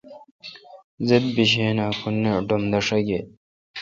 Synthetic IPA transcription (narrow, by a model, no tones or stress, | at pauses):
zeb̚biɕ̬ẽːnakʰunːeɖomd̪ɐʂɐɡe